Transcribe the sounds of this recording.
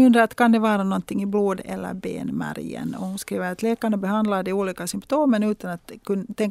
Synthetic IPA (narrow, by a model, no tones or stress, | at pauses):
ɵnd̪ɾəɾat̪kʰand̪ɛʋɑːɾanɔnt̪ɪŋːɪbloːd̪ɛ̰lːə̰ɾbḛːnmæ̰ɾjə̰nɔ̰hʊnskɾiːʋəɾat̪leːkaɳabɛhand̪lad̪ɛuːliːkasʏmpt̪ʰoːmənʉːt̪ɑnat̪kɵnt̪ʰːɛŋ